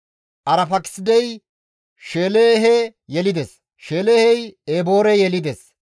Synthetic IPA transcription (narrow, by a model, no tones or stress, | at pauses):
ʔɐɾɐfɐkɪ̥sɪd̪ɛj | ʃe̞ːleːɛɦejɛlɪd̪ɛs | ʃe̞ːlehɛjeːbo̞ːɾɛjɛlɪd̪ɛs